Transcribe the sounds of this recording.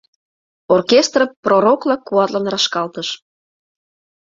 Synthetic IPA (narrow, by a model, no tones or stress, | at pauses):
orkʲest̪rəpːroɾoklɑkːuɑt̪lɑnrɑʃkɑlt̪əʃ